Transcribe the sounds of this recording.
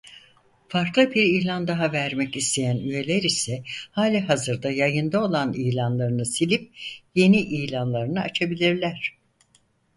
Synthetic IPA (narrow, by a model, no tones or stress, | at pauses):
faɾklˠɯbiɾijlʲand̪aɦavæɾmɛcist̪ʰe̞jænye̞lʲæɾisɛhaːlʲiɦazɯɾd̪ajajɯnd̪ao̞lˠanijlʲanlˠaɾɯnɯsilʲip̚je̞niʔijlʲanlˠaɾɯnaat͡ʃʰabilʲiɾlʲæɾ̝̥